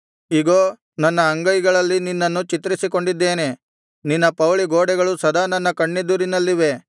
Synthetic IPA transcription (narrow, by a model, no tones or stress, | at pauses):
iɡoː | nɐnːɐːŋɡɐjiɡɐɭɐlːininːɐnːut͡ʃit̪ɾisiko̞ɳɖid̪ːeːne̞ | ninːɐpɐwɭiɡoːɽɛɡɐɭusɐd̪aːnɐnːɐkɐɳːed̪uɾinɐlːiʋe̞